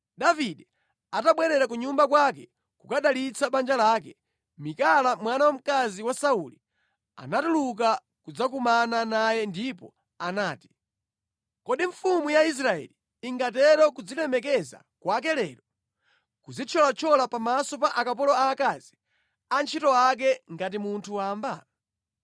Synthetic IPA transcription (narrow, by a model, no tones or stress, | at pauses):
ɗaviɗɛ | ataɓwɛɾɛɾak̬uɲumbak̬wakɛ | kukaɗalit͡saɓand͡ʒalaːkɛ | mikalamwanawam̩kaziwasauli | a̰natuluk̬a | kud͡zakumananajɛndipɔ | anaːti̥ | kɔɗiɱfumujais̬ɾaɛ̰liː | ŋɡatɛɾɔkud͡zilɛmɛkɛza̰ | kwak̬ɛlɛːɾɔ | kud͡zit͡ʃʰɔlat͡ʃʰɔlapamasɔpaʔakapɔlɔaːkazi | ant͡ʃʰitɔak̬ɛŋɡat̬imuntʰuwaːmba